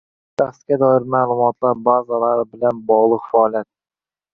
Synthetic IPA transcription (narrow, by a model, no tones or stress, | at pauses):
t̪ʰaχskʲad̪ɒɪɾmalˠʊmɒt̪lˠaɾbazalaɾɪbɪlanbɒʁlˠɨqfaːlˠijat̪̚